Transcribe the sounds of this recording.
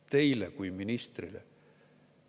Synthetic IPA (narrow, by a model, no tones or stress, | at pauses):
t̪e̞jlekujminist̪rilḛ